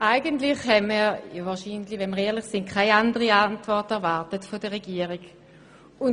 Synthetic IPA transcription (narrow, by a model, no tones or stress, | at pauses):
ʔaɪɡəntlɪχhɛmijvaːɐʃiːnlivɛnməʁɛːɐlɪχsɪntkʰaɪandəʁiantvɔɐtɛɐvaɐtətfodəʁeɡ̥iːəʁiɡ | ʊn